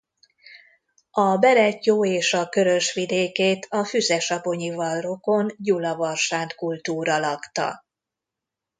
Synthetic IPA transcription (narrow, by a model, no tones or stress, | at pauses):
ɒbɛɾɛcjoːeːʃɒkø̞ɾø̞ʃʋid̪eːkeːt̪ʰɒfyzɛʃɒpo̞ɲivɒlro̞ko̞nɟulɒvɒrʃaːnt̪kult̪uːɾɒlɒkt̪ɒ̰